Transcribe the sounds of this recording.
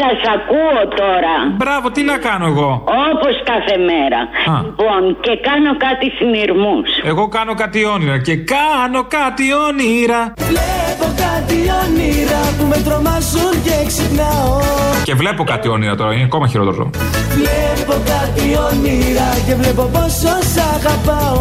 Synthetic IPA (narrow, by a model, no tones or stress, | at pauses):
sɐsɐkuot̪o̞ɾɐbɾɐvo̞t̪inɐkɐno̞e̞ɣo̞oposkɐθe̞meɾɐ̰ɐipo̞nce̞kɐno̞kɐt̪isiniɾmuse̞ɣo̞kɐno̞kɐt̪io̞niɾɐce̞kɐno̞kɐt̪ioniɾɐvlepo̞kɐt̪ioniɾɐpumet̪ɾo̞mɐzunceksipnɐoce̞vle̞po̞kɐt̪io̞niɾɐt̪o̞ɾɐineɐko̞mɐçiɾo̞t̪eɾzo̰ | vlepokɐt̪ioniɾɐce̞vlepo̞pososɐɣɐpɐo